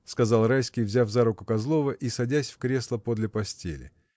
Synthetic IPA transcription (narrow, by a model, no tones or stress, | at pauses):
skɐzɑlˠɾajskʲɪjvzʲafzaɾʊkʊkɐzlˠo̞vəʔisɐdʲæsʲfkɾʲe̞slˠəpo̞d̪lʲɪpɐsʲtʲelʲɪ̰